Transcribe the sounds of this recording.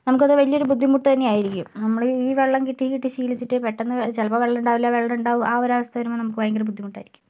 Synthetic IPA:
nɐmukːɐðɨʋɐɭijɐo̞ɾubud̪ʱːimuʈːut̪ɐnːe̞aːjiɾikʲːumnɐmːɐɭɨiːʋe̞ɭːɐmkiʈːikiʈːiɕiːlit͡ɕːiʈːɨpeʈːenːɨt͡ɕelɐpɐʋe̞ɭːɐnuɳɖaːʋilːaːʋeɭːɐɾuɳɖaːʋumʔaːoɾaːʋɐst̪ʰɐʋɐnumnɐmukːɨʋɐjɐŋɡɐrbud̪ʱːimuʈːaːjiɾikʲːum

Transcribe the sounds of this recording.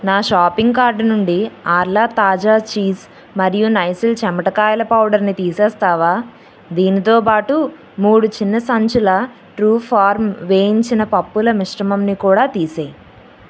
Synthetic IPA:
naːʃaːpiŋɡkaːɾɖnuɳɖiaːɾlaːt̪aːd͡ʒaːt͡ʃiːs | mɐɾijunɐjsilt͡ʃɛmɐʈɐkaːjɐlɐpɐwɖɐɾnit̪iːsɛːst̪aːʋaː | d̪iːnit̪o̞ːpaːʈu | muːɽut͡ʃinːɐsɐɲt͡ʃulɐ | ʈɾuːpʰaːɾmʋeːjiɲt͡ʃinɐpɐpːulɐmiʂʈɐmɐmnikuːɽaːt̪iːseːi

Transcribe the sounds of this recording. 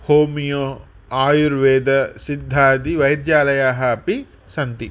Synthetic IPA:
hoːmijoː | aːjuɾʋeːd̪ɐsid̪ʱːaːd̪iʋɐjɐd̪jaːlɐjaːɦɐpi | sɐnt̪i

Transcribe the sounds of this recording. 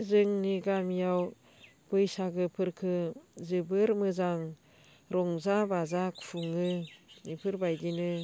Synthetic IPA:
zɯŋniɡamijaw | b̥ɯjsaɡɯpʰɯɾkʰɯzɯbɯɾmɯzaŋ | ɾɔŋzabazakpʰuŋɯnipʰɯɾbajdinɯ

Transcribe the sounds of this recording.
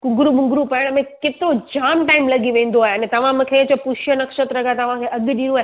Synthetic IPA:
kʊ̃ŋɡɾuɓʊ̃ŋɡɾupɐɪɽ̃mẽkɪt̪ɪɾod͡ʑaːmʈaːɪmlɐɡiʋẽːn̆d̪oaːɦeɐnẽt̪ɐʋ̤ãmũkʰet͡ɕɐpʊʃjənɐkʃət̪ɾɐɡʱat̪ɐʋ̤ãkʰeʔɐɠ̆ɗĩːɽ̃ũaːɦe

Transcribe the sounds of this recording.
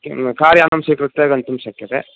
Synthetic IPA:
kaːɾjaːnɐmsiːkɾut̪ːeːɡɐnt̪umʃɐkːjɐt̪ḛ

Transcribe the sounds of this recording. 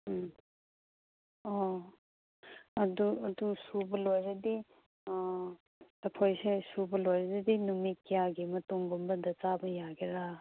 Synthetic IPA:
ɔ | ɐduɐdusubɐlojɾɐdi | ɐkʰojsesubɐlojɾɐzɐdinumikijaɡimɐtuŋɡumbɐdɐt͡ʃabɐjaɡeɾa

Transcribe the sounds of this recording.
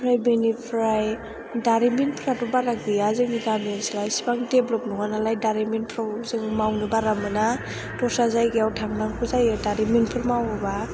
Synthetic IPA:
pʰɾajbenipʰɾaj | daɾiminpʰɾatɔbaɾak̚bijazɯŋniɡamiensilajsi̥baŋdeblɔp̚nɔŋanalajdaɾimenpʰɾawzɯŋmawnɯbaɾamɯna | tɔsazajɡijawtʰaŋnaŋpʰuzajɯdaɾiminpʰɯɾmawɯba

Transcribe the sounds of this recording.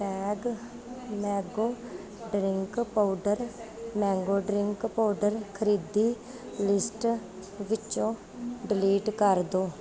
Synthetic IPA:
ʈɛːɡ | mɛ̃ːɡoː | ɖɾɪŋkpaːɖəɾmɛ̃ːŋɡoːɖɾɪŋkpaːɖəɾkʰəɾiːd̪iː | lɪsʈ | ʋɪt͡ʃõː | ɖɪliːʈkəɾd̪oː

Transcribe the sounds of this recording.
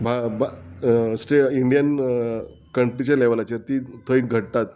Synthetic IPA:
bʱabasʈeiɳɖijən | kəɳʈɾit͡ɕaleʋəlat͡ɕeɾt̪iːt̪ʰəiɡʱəʈ̚t̪at̪

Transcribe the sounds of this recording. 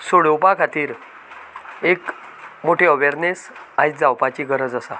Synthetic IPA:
soɽewpakʰat̪iːɾ | ek | moʈʰeəʋeɾnes | ãjd͡zawpat͡ɕiːɡʱəɾəd͡zəsa

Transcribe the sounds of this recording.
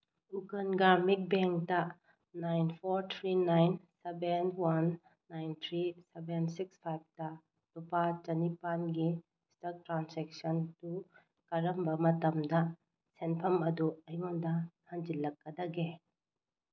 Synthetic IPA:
uɡɐnɡaɾmik̚beŋk̚tɐ | najnpʰoɾt̪ʰɾinajnsebenwanː | ajnt̪ʰɾisebensikspʰajb̚tɐ | tupat͡ʃɐnipanɡi | stɐk̚tɾansek̚sɐntu | kɐɾɐmbɐmɐtɐmdɐ | senpʰɐmɐduɐjoŋdɐhɐŋd͡ʒilːɐk̚ːɐdɐɡe

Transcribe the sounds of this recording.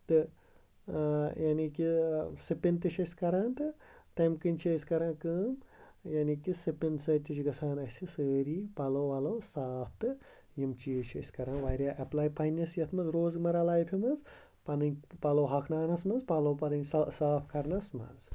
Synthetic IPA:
t̪ɨ | jɐnikisɨpint̪ɨʃɐsʲkɐɾaːnt̪ɨt̪ɐmkɨnʲt͡ʃʰesʲkɐɾãːnkɨːm | jɐnikisɨpinsɐːt̪ʲit͡ʃɡɐsʰaːnɐsʲisəːɾiːpɐloːʋɐloːsaːp̚ʰt̪ɨ | jimt͡ʃiːʃɐ̰sʲkɐɾãːnʋaːɾʲjaːʔɐplaːjpɐnːɐsjɐt̪ʰmɐzɾoːzɡmɐɾalaːjpʰʲimɐz | pɐnɨnʲpɐloːɦɐkʰnaːnɐsmɐnzpɐloːpɐd̪ɐnʲsɐsaːpʰkɐɾnɐsmɐ̰z

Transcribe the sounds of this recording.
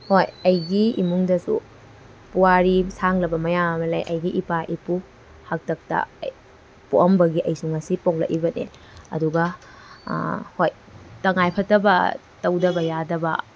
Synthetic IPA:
hojɐjɡiimuŋdɐsṵ | puwaɾisaŋlɐbɐmɐjamɐlɐjʔɐ̰jɡiʔipaʔipu | hak̚tɐk̚tɐ̰ | pṵʔɐmbɐɡiʔɐjsuŋɐsipoŋlɐ̰kibɐnḛ | ɐ̰duɡɐ | hoj | tɐŋajpʰɐtɐbɐ̰ | tɐwdɐbɐjadɐbɐ̰

